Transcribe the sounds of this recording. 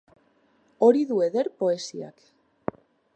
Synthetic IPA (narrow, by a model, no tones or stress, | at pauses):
o̞ɾiðue̞ðe̞ɾpo̞e̞sia̰k